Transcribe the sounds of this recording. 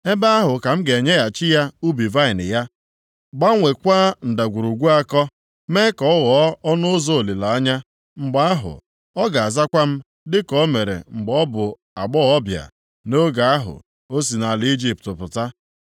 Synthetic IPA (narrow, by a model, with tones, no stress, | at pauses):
e˦ba˦a˦ɦʊ˨ka˨m̩˦ɡe˨ɲe˦ja˨t͡ʃɪ˦ja˦u˦bi˨va˦ɪ˨nɪ̰˨ja˦ | ɡ͡ba˦ŋʷe˨kʷaː˦n̩˨da˨ɡʷu˨ɾu˨ɡʷu˦a˦kɔ˦ | me˦kɔ˨ɔ˦ɣɔ˨˦ɔ˦nʊ˦ʊ˦zo˦o˨li˨la˨a˦ɲa˦ | ŋ͡m̩˨ɡ͡ba˦a˦ɦʊ̰˨ | ɔ˦ɡa˨a˨za˦kʷa˦m̩˦ | dɪ˦kɔ˦me˨ɾḛ˨ŋ͡m̩˨ɡ͡bɔ˦bʊ˨ | a˨ɡ͡bɔ˦ɔ˦bja̰˨ | no˦ɡa˨a˦ɦʊ̰˨ | o˦s̬i˨na˨li˦d͡ʒi˦p̚tʊ˨pʊ˨ta˦